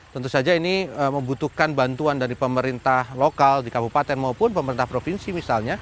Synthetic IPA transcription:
t̪ɔnt̪ʊsad͡ʒainiəməmbut̪uhkanbant̪uandaɾipəməɾint̪ahlokaldikabupat̪ɛnmaupʊnpəməɾint̪ahpɾofinsimisalɲa

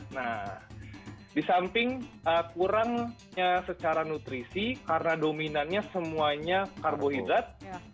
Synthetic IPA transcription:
nah | disampɪŋəkuɾaŋ | ɲasət͡ʃaɾanut̪ɾisikaɾənadominanɲasəmuaɲakarboɦidɾat̪̚

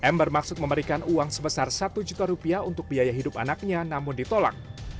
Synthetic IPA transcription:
ʔɛmbərmaksʊt̪̚məməɾikanuaŋsəbəsarsat̪ud͡ʒut̪aɾupiaunt̪ʊk̚biajaɦidʊpanak̚ɲanamʊndit̪ola̰k̚

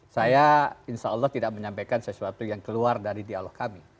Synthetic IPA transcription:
sajainʃaɔlːɔht̪idaʔməɲampajkansəsuat̪ujaŋkəluardaɾidialɔhkami

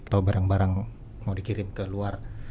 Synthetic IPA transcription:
t̪aubaɾaŋbaɾaŋ | mawdikiɾɪmkəluar

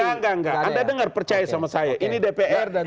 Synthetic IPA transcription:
aŋɡaŋɡaandadəŋarpərt͡ʃajasamasajaʔinidepeʔɛ

